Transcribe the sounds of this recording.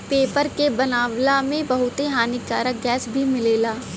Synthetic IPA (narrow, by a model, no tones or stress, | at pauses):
peːpəɾkebɐnaːʋlamẽbɐɦʊt̪eɦaːnit͡ʃa̰ːɾaɡɛːsbʱimɪleːlaː